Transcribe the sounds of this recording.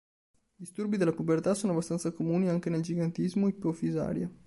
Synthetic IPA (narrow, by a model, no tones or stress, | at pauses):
d̪ist̪urbid̪elːapobert̪asoːnoabːast̪ant̪sakomuːniaŋk̟eneld͡ʒiɡant̪izmoipːofiza̰ːɾja